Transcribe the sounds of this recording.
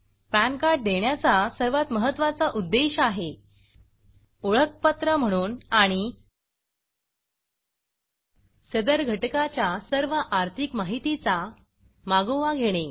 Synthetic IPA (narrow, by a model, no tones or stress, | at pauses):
pænkaɾʈ̚d̪eɳjat͡sasəɾʋat̪məɦət̪ːʋat͡saʔud̪ːeɕaɦe | oɭək̚pət̪ɾəm̤əɽ̃uːnaɽ̃i | səd̪əɾɡʱəʈkat͡ɕjasəɾʋəʔaɾt̪ʰikmaɦit̪it͡sa | maɡoʋaɡʱeɽ̃e